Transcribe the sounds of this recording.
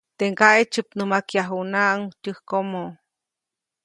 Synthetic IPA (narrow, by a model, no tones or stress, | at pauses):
t̪eŋkaʔet͡ʃɨpnɨmakjaɦunaʔŋtʲɨhkomo